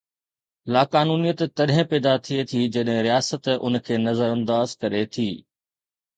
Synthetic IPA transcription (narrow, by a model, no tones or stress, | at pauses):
laːkaːnuːnijət̪t̪ɐɗɦɪ̃pɛːd̪at̪ʰiet̪ʰid͡ʑɐɗɦɪ̃ɾijaːsət̪ʊ̰nkʰeːnɐzəɾɐ̃nd̪aːzkɐɾet̪ʰiː